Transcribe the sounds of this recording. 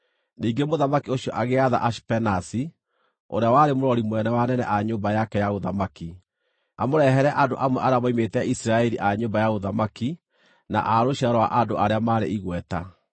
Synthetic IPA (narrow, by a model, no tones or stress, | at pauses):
niːŋɡemoðamakioɕjɔʔaɣeaða̰ʔaʃpɛnasi | o̰ɾeawaɾemoɾɔɾimwɛnɛwanɛnɛʔaɲoːmbajakɛjaɣoðamaki | amoɾɛɦɛɾɛʔandoʔamwɛʔaɾeamaimetɛisiɾaɛɾiʔaɲoːmbajaɣoðamaki | na̰ʔaɾoɕiaɾɔwa̰ʔandoʔaɾeamaːɾḛiɣwɛta̰